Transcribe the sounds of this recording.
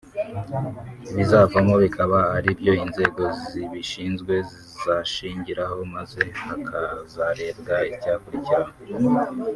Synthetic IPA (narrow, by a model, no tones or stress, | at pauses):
βizavamo̞βikʰaβaaɾibjo̞inze̞ːɡo̞ziβiʃiːnzɡwe̞zizaʃiːɲɟiɾaho̞maze̞akʰazaɾe̞ːbɡaicaːkuɾiciɾaho